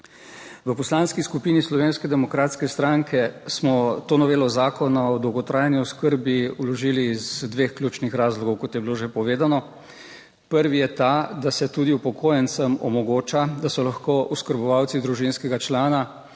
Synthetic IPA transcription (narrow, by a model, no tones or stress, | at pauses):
ʋəpɔslaːnskiskupiːnislɔʋeːnskɛd̪ɛmɔkɾaːt̪skɛst̪ɾaŋkʰɛsmɔt̪oːnɔʋeːlɔzaːkɔnaɔd̪ɔwɡɔt̪ɾaːjnjiɔskəɾbiulɔʒiːlizd̪ʋeːxklʲjuːt͡ʃnixɾaːzlɔɡɔwkɔt̪jɛbiloʒepɔʋeːd̪anɔ | pəɾʋijɛt̪ad̪asɛt̪uːd̪iupɔkʰoːjɛnt̪səmɔ̰mɔɡoːt͡ʃad̪asɔlaxkoːuskəɾbɔʋawt̪sid̪ɾuʒinskɛɡat͡ʃlaːna